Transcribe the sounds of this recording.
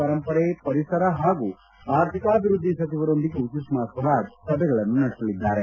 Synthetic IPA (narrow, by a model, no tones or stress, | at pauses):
ɐɾɐmpɐɽepɐɾisɐɾɐɦaːɡu | aːɾt̪ʰikaːbʱiɾud̪ʱːisɐt͡ʃiʋɐɾo̞nd̪iɡeut͡ʃismaːsɐɾaːd͡ʒsɐbʱɛɡɐɭɐnːunɐɽisɐlid̪ːaːɾe